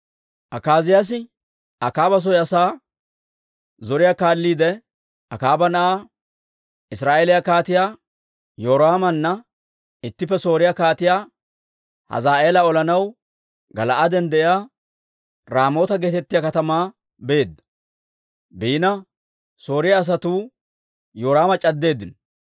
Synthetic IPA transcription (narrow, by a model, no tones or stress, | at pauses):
ʔɐkaːzɪjas̬ɪ | ɐkaːbɐs̬ɔjɐsaː | zɔɾɪjakaːlːiːd̪ɛ | ɐ̰kaːbɐnɐʔaː | ɪsɾaːʔeːlɪjɐkaːt̪ɪjaː | joːɾaːmɐnːɐ | ɪt̪ːɪpːɛso̞ːɾɪjakaːt̪ɪjaː | hɐ̰zaːʔe̞ːlɐɔlɐnɐw | ɡɐlɐʔɐd̪ɛnd̪ɛʔɪjaː | ɾaːmo̞ːt̪ɐɡeːt̪ɛt̪ːɪjakɐt̪ɐmaː | beːd̪ːɐ̥ | biːnɐ | so̞ːɾɪjaːs̬ɐt̪uː | joːɾaːmɐt͡ʃʼɐd̪ːe̞ːd̪ːɪn